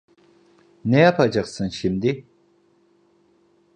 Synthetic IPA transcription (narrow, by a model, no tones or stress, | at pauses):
nejapʰad͡ʒaqsɨnʃimd̪i